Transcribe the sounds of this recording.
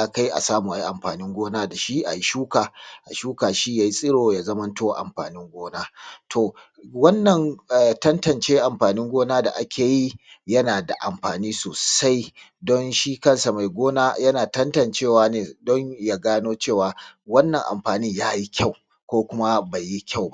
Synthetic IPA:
a˨ka˦jʔa̰˨saː˦muː˨ʔa˨i˦ʔa˨mɸaː˨nɪ˦ŋɡʷoː˦naː˦da˨ʃi˦ʔa̰˨ji˦ʃuː˦kaː˨ʔa̰˨ʃuː˦kaː˨ʃi˦jaː˨ji˦sʼɪ˦ɽoː˨jaː˨zɐ˦mɐ˦ntoː˦ʔa̰˨mɸa̰ː˨nɪ˦ŋɡʷoː˦naː˦tʰoː˨ | wɐ˦nːɐ˨ŋ˨tɐ˦ntɐ˨nt͡ʃeː˦ʔa˨mɸaː˨nɪ˦ŋɡʷoː˦naː˦da̰˨ʔa˦kʲʰeː˨ji˦jɐ˦naː˨da˨ʔa̰˨mɸaː˨niː˦soː˨sa˦j | dɔ˦nʃi˦kɐ˦˨nsa˨ma˨jɡʷoː˦naː˦jɐ˦naː˨tɐ˦ntɐ˨nt͡ʃeː˦˨waː˨neː˨dɔ˦ɲja˦ɡaː˦noː˦t͡ʃeː˦˨waː˨wɐ˦nːɐ˨ŋʔa̰˨mɸaː˨niː˦jaː˦ji˦kʲʰa˦˨w | kʷoː˦kʷʊ˦ma˦ba˨jːi˦kʲa˦˨wba˦ʔ

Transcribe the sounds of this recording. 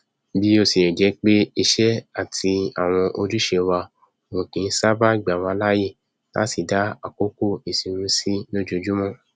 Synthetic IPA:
bi˦o˧si˨ɛ˨d͡ʒɛ˨˦k͡pe˦i˧ʃɛ˦a˦˨tʰi˧a̰˨w̃ɔ̃˧ʔo˧du˦ʃe˧wa˧ | o˨wũ˨kĩ˨n̩˦sa˦ba˦i˨ɡ͡ba˨wã˧˦la˦je˦˨ | la̰˦si˨da˨˦a̰˨ko˦ko˦˨i˨si˨ɾũ˦si˦lo˦d͡ʒo˧d͡ʒu˦mɔ̃˦˨

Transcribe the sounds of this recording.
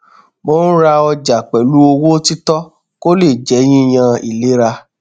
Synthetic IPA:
mo˦ñ̩˦ɾa˧ɔ˧d͡ʒa˨k͡pɛ˨lu˦o˧wo˦ti˦tɔ˦ | ko˦le˦˨d͡ʒɛ˨˦j̃ĩ˦i˨j̃ã˧ḭ˨le˨˦ɾa˧

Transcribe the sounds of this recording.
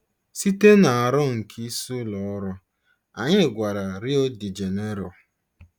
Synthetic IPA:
si˦te˦na˨a˨ɾɔ˦ŋ̩˨kʰi˦su˦lɔ˨˦ɾɔ˦ | a˨ɲɪ˦˨ɡʷa˨ɾa˨ɾi˦o˦di˨d͡ʒe˨ne˦ɾɔ˨

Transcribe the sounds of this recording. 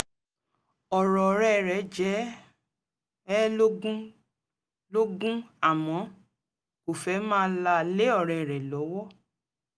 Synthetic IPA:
ɔ˨ɾɔ˨ɾɛ˨ɾɛ˨d͡ʒɛ˨˦ | ɛ˦lo˦ɡũ˦ | lo˦ɡũ˦a˦˨mɔ̃˨˦ | ko˨fɛ˨˦mãː˦la˧le˦ɔ˦˨ɾɛ˨ɾɛ˨lɔ˨˦wɔ˦

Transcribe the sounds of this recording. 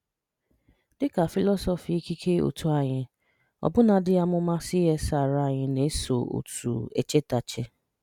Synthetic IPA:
dɪ˦ka˨fi˦lɔ˦sɔ˨fi˨i˦ki˦kʰe˦o̰˨tu˨a˦˨ɲɪ˦ | ɔ̰˨bʊ˦na˨dɪ˦a˦mʊ˦ma˦sɪ˦ɦe˦sa˦˨ɾa˦˨ɲɪ˨ne˦so̰˨o̰˨tṵ˨ḛ˦t͡ʃe˦ta˨t͡ʃe˦

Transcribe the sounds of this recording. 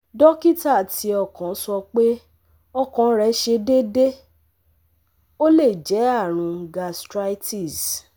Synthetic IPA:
dɔ˦ki˦ta˦˨ti˧ɔ˦˨kã˨˦sɔ˧k͡pe˦ | ɔ˧kɔ̃˨˦ɾɛ˨˦ʃe˧de˦de˦ | o˦le˦˨d͡ʒɛ˨˦a˦˨ɾ̃ũ˨˧ɡa˧stɾa˦jti˦˨s

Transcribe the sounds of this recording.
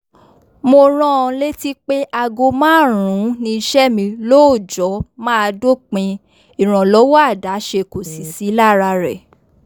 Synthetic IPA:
mo˧ɾ̃ɔ̃˦˧le˦ti˦k͡pe˦ʔa˧ɡo˧mãː˦˨ɾ̃ũ˨˦nĩ˧i˧ʃɛ˦mĩ˧lo˦o˦˨d͡ʒɔ˨˦mãː˦a˧do˦˨k͡pĩ˧ | i˨ɾ̃ɔ̃˨lɔ˨˦wɔ˦a˦˨da˨˦ʃe˧ko˨si˨si˨˦la˦˨ɾa˧ɾɛ˨

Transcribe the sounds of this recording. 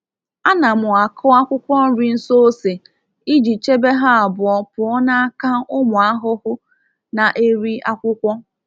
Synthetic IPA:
a˦na˨mʊ˨a˨kʰɔ˦a˦kʷʊ˦kʷɔ˦n̩˦ɾi˨n̩˦so˦o˦se˨ | i˦d͡ʒi˨t͡ʃe˦be˦ɦa˦a˨bʊ˨ɔ˨pʊ˨ɔ˦na˦a˦ka˦ʊ˦mʊ˨a˦ɦʊ˦hʊ˦ | na˨ʔe˦ɾi˦a˦kʷʊ˦kʷɔ˦

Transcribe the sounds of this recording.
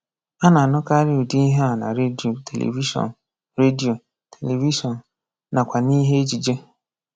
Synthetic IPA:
a˦na˨a˨nʊ˦ka˦ɾɪ˦u˨di˦i˦ɦe˦a˨na̰˨ɾe˦di˨o˨tʰe˨lʔḛ˨vi˦ʃɔ̰˨n̩˨ | ɾe˦di˨o˨ | tʰe˨le˨vi˦ʃɔ˨n̩˨ | na˨kʷa˨ni˦ɦe˦e˦d͡ʒi˨d͡ʒe˦

